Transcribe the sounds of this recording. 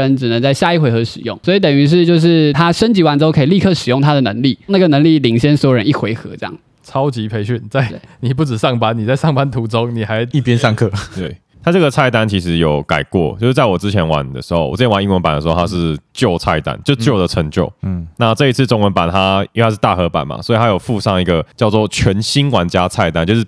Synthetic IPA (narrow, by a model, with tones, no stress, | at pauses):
ə˧˦nʈ͡ʂɻ̩˨˩nə˧˦ŋt͡sa˥˧ɪɕja˥˧i˥˩xwe˧˥ɪxɤ˧˥ʂɻ̩˨˩jʊ̰˥˩ŋswɔ˧˥i˧˥t̪ə˨˩ny˧˥ʂ̬ɻ̩˥˧t͡ɕjo˥˧ʊʂ̬ɻ̩˥˩t̪ʰa˥ʂə˥nt͡ɕi˧˥wa˧˥nʈ͡ʂ̩˥kʰi˨˩li˥˧˩kʰɤ˥˩ʂɻ̩˨˩jʊ˥˩ŋt̪ʰa˥d̪ə˨nə˧˥ŋli˥˨˩na˥˩ɡə˩nə˧˥ŋli˥˩li˨˩ŋɕjɛ˥nswɔ˥ɻə˧˥ni˥˩xwe˧˥ɪxɤ˧˥ʈ͡ʂjɑ̰˥˩ŋ | t͡sʰɑ˦˥ʊt͡ɕi˧˥pʰe˧˥ɪɕy˥˨˩nt͡sa˥˩ɪtḛ˥˩ni˨˩p̬u˥˩ʈ͡ʂɻ̩˨˩ʂɑ˥˩ŋpa˦˥nni˨˩t͡sa˥˧ɪʂɑ˥˩ŋpa˦nt̪ʰu˧˥ʈ͡ʂʊ˥ŋni˨˩xa˧˥ɪi˥˩pjɛ˦nʂɑ˥˧ŋkʰɤ˥˩t̪we˥˩ | t̪ʰa˥t͡sɤ˥˩ɡə˩t͡sʰa˥˩ɪt̪a˥nt͡ɕʰi˧˥ʂɻ̩˧˥jo˨˩ʊka˨˩ɪkwɔ̰˥˨t͡ɕjo˥˧ʊʂɻ̩˥˩t͡sa˥˩ɪwɔ˨˩t͡sɻ̩˦t͡ɕʰjɛ˧˦nwa̰˨˩nd̪ə̰˩ʂɻ̩˧˥xo˥˩ʊwɔ˨˩˥jɛ˧˥wa˨ni˥˩wə˧˦npa˨˩ndə˩ʂɻ̩˧˥o˥˩a˥ʂ̬ɻ̩˥˧t͡ɕjo˥˩ʊt͡sʰa˥˩ɪt̪a̰˥nt͡ɕjo˥˧ʊʂ̩˥t͡ɕjo˥˩ʊd̪ə˩ʈ͡ʂʰə˧˦ŋt͡ɕjo˥˩ʊna˥˧ʈ͡ʂɤ˥˧i˧˥t͡s̩ʰ˥˩t͡sʊ˧˥ŋwə˧˦npa˨˩nt̪ʰa˦i˧tʰa˥ʂ̬ɻ̩˥˩t̪a̰˥˩xɤ˧˥pa̰˨˩nma̰˩swɔ˧˥i˨t̪ʰa˥jo˨˩ʊfu˥˧ʂɑ˥˧ŋi˧˥ɡə˨t͡ɕjɑ˥˧ʊt͡swɔ˥˩t͡ɕʰɥɛ˧˥nɕi˥nkwa˨˩nt͡ɕja˦˥t͡sʰa˥˩ɪt̪a˥˦nt͡ɕjo˥˧ʊʂɻ̩˥˩